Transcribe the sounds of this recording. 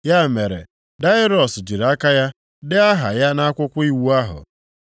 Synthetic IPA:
ja˦˨me˨ɾḛ˨ | da˦ɪ˦ɾɔ˨sd͡ʒi˨ɾa˦ka˦ja˦ | dɪ˦a˦ɦa̰˨ja˦na˦kʷʊ˦kʷʊ˦i˦wu˦a˦ɦʊ̰˨

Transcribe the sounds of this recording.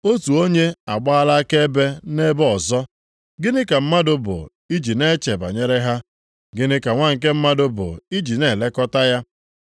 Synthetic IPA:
o˦tu˨o˦ɲe˦a˨ɡ͡ba˦a˦la˦a˦ke˦e˦be˦ne˦bɔ˨zɔ˦ | ɡɪ˦nɪ˦ka˨m̩˦ma˦dʊ˦bʊ̰˨ | i˦d͡ʒi˨ne˦t͡ʃe˨ba̰˨ɲe˦ɾe˦ɦa˦ | ɡɪ˦nɪ˦ka˨ŋʷa˦ŋ̩˨k̬e˦m̩˦ma˦dʊ˦bʊ̰˨i˦d͡ʒi˨ne˦˨le˦kɔ˦ta˦ja˦

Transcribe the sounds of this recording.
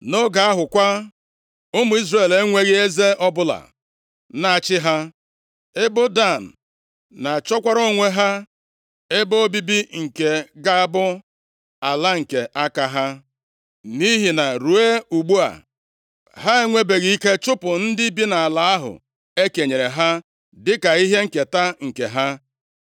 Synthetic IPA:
no˦ɡa˨a˦ɦʊ˨kʷa˦ | ʊ˦mʊ˨˦i˦zre˦˨le˦ŋʷe˦ɣɪ˦e˦ze˦ʔɔ˦bʊ˦la̰˨ | na˨a˨t͡ʃɪ˦ɦa˦ | ɪ˦bʊ˦da˦˨n̩˨ | na˨t͡ʃɔ˦kʷa˦ɾo˦ŋʷe˦ɦa˦ | e˦bʊ˦o˦bi˦bi˦ŋ̩˨ke˨ɡa˦a˦bʊ˦ | a˨la˦ŋ̩˨ke˨ʔa˦ka˦ɦa˦ | ni˦ɦi˨na˨ɾu˨e˦u˨ɡ͡bu˦a̰˨ | ɦa˦e˦ŋʷe˦be˨ɣi˨i˦ke˦t͡ʃʊ˦pʊ˨n̩˦dɪ˦bi˦na˨a˨la˨˦a˦ɦʊ̰˨ | e˦ke˨ɲe˨ɾe˨ɦa˦ | dɪ˦ka˨i˦ɦe˦ŋ̩˨ke˨ta˦ŋ̩˨ke˨ɦa˦

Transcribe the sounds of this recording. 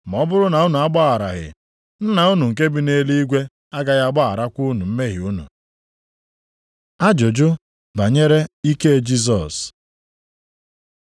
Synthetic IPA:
m˨ɔ˨˦bʊ˦ɾʊ˦na˨ʊ˦nu˨a˦ɡ͡ba˦a˨ɾa̰˨ɣɪ̰˨ | n̩˦na˨ʊ˦nu˨ŋ̩˨k̬e˦bi˦ne˦li˦i˦ɡʷe˦ | a˦ɡa˦ɣa˦a˦ɡ͡ba˦a̰˨ɾa˦kʷu˦nu˨m̩˦me˦ɣɪ˨u˦nṵ˨ | a˦d͡ʒo˨d͡ʒʊ˦ | ba˨ɲe˦ɾe˦i˦ke˦d͡ʒi˦s̬ɔ˨s

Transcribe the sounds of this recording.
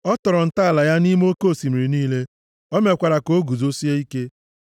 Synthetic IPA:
ɔ˦tɔ˨ɾɔ˨n̩˨ta˦a˨la˨ja˦ni˦m˦o˦ko˦˨si˨mi˨ɾi˨niː˦le˦ | ɔ˦me˨kʷa˨ɾa˨ko˨˦ɡu˨zo˦si˦e˦i˦ke˦

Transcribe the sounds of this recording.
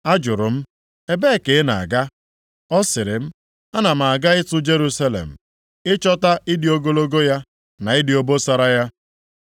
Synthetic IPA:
a˦d͡ʒʊ˨ɾʊ˨m̩˦ | e˦be˦˨ke˨˦na̰˨a̰˨ɡa˦ | ɔ˦sɪ˨ɾɪ˨m̩˦ | a˦na˨m̩˨a˨a˨ɡa˦ɪ˦tʊ˦d͡ʒe˦ɾu˦sa˦lḛ˨m̩˨ | ɪ˦t͡ʃɔ˦ta˦ɪ˦dɪ˨o˦ɡo˦lo˦ɡo˦ja˦ | na˨ɪ˦dɪ˨o˦bo˦sa˦ɾa˦ja˦

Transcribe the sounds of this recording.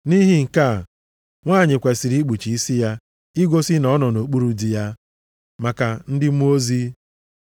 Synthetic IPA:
ni˦ɦi˦ŋ̩˨ka˦˨ | ŋʷaː˦˨ɲɪ˨kʷe˨si˨ɾi˦ɡ͡bu˨t͡ʃi˨i˦si˦ja˦ | i˦ɡʷo˦sɪ˦nɔ˦nɔ˨no˨k͡pu˦ɾu˦di˨ja˦ | ma˨ka˨n̩˦dɪ˦mu˦o˦zi˦

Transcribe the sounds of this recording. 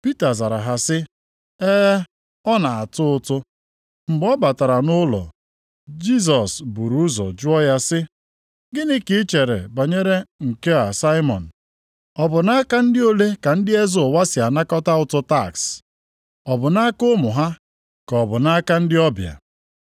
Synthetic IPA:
pi˦ta˨za˨ɾa˨ɦa˨sɪ˦ | e˦ | ɔ˦na˨a˨tʊ˦ʊ˦tʊ˦ | m̩˨ɡ͡bɔ˦ba˨ta˨ɾa˨nʊ˦lɔ̰˨ | d͡ʒi˦s̬ɔ˨sbu˨ɾu˦zɔ̰˨d͡ʒʊ˦ɔ˦ja˦sɪ˦ | ɡɪ˦nɪ˦kɪ˦t͡ʃe˨ɾḛ˨ba˨ɲe˦ɾe˦ŋ̩˨ke˦a˨sa˦ɪ˦mɔ̰˨n̩˨ | ɔ˨bʊ˨na˦ka˦n̩˦dɪ˦o˦le˦ka˨n̩˦dɪ˦e˦zʊ˨wa˦sɪ˨a˨na˦kɔ˦ta˦ʊ˦tʊ˦ta˦˨ks | ɔ˨bʊ˨na˦kʊ˦mʊ˨ɦa˦ | kɔ˨bʊ˨na˦ka˦n̩˦dɪ˦ɔ˦bja̰˨

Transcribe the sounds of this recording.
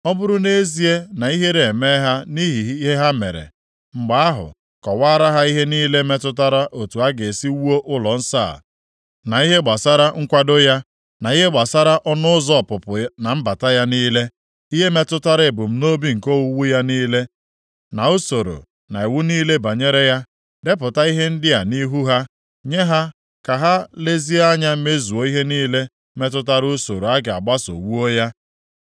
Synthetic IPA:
ɔ˦bʊ˦ɾʊ˦ne˦zi˦e˦na˨i˦ɦe˦ɾe˨me˦ɦa˦ni˦ɦɦe˦ɦa˦me˨ɾḛ˨ | ŋ͡m̩˨ɡ͡ba˦a˦ɦʊ̰˨ | kɔ˨wa˦ɾa˦ɦa˦i˦ɦe˦niː˦le˦me˦tʊ˦t̬a˦ɾa˦ʔo˨tu˨a˦ɡe˨si˦wu˦o˦ʔʊ˦lɔ˨n̩˦sa̰˦˨ | na˨i˦ɦe˦ɡ͡ba˨sa˦ɾa˦ŋ̩˦kʷa˦dʊ˦ja˦ | na˨i˦ɦe˦ɡ͡ba˨sa˦ɾa˦ʔɔ˦nʊ˦ʊ˦zɔ˦˨pʊ˨pʊ˨na˨m̩˦ba˨ta˦ja˦niː˦le˦ | i˦ɦe˦me˦tʊ˦ta˦ɾɪ˨bʊ˨m̩˦no˦bi˦ŋ̩˨ko˦wu˦wu˦ja˦niː˦le˦ | na˨o˦so˨ɾo̰˨ | na˨i˨wu˦niː˦le˦ba˨ɲe˦ɾe˦ja˦ | de˦p̬ʊ˨ta˦i˦ɦe˦n̩˦dɪ˦a˨ni˦ɦu˦ɦa˦ | ɲe˦ɦa˦ | ka˨ɦa˦le˦zi˦a˦ɲa˦m̩˦me˦zu˨o˦i˦ɦe˦niː˦le˦ | me˦t̬ʊ˦t̬a˦ɾʊ˦so˨ɾo˨a˦ɡɪ˨a̰˨ɡ͡ba˦so̰˨wu˦o˦ja˦

